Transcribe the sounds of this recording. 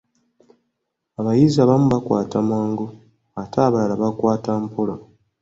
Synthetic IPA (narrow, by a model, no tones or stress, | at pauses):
aβajizaβamuβakwa̰ːtamaːŋɡo | atʰaːβalalaβakwaːtampola